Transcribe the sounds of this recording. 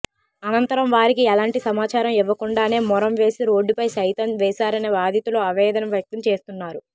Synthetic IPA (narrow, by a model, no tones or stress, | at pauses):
ɐnɐnt̪ɐɾɐmʋaːɾikiɛlaːɳʈisɐmaːt͡ʃaːɾɐmiʋːɐkuɳɖaːne̞ːmɔɾɐmʋe̞ːsiɾo̞ːɖːipɐjʃɐjt̪ɐnʋɛːʃaːɾɐneːbaːd̪ʱjɐt̪uloːɐʋɛːd̪ɐnɐmʋjɐk̚t̪ɐmt͡ʃe̞ːst̪unːaːɾu